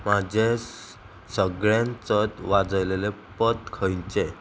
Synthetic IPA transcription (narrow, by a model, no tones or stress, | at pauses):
mad͡ʑʱe | səɡɭjãnt͡sət̪ʋad͡zəwlelepət̪kʰəjɲt͡ɕe